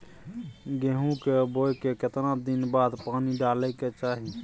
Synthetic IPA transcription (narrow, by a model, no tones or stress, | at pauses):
ɡeɦũkebojkeket̪nad̪inbaːd̪paːniɖalɛket͡ʃaːɦi